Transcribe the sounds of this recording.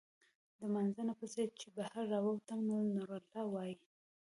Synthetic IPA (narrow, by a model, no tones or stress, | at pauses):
d̪əmanzanapəzad̪̚t͡ʃebahaɾːawawt̪amnunuɾalɑwɑji